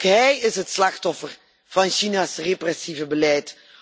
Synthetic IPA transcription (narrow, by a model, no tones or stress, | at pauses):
kɦɛjɪsɦətslɑxtɔfər | v̥ɑnʃinasreprɛsivəbəlɛjt